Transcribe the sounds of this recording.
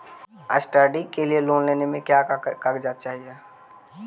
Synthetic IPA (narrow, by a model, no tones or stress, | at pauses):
ə̰sʈəɖikelieloːnleːnemẽkjakakd͡ʒaːt̪̚t͡ʃaːɦie